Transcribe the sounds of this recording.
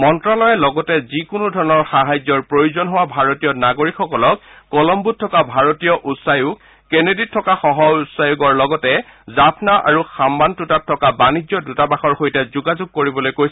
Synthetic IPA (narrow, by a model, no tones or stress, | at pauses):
mɔntɹalɔjɛlɔɡɔtɛzikʊnudʱɔɹɔnɔɹxaɦajzɔɹpɹojuzɔnɦowabʱaɹotijɔnaɡoɹikʰxɔkɔlɔk̚ː | ɔlɔmbut̚tʰːɔkabʱaɹotijɔʔutsajuɡ | keneditʰːɔkaxɔɦɔutsajuɡɔɹlɔɡɔtɛzapʰnaʔa̰ɹuxambantutatʰːɔkabanizɔdutabaxɔɹxojtɛzuɡazuɡ̚koɹibɔlojkojsɛ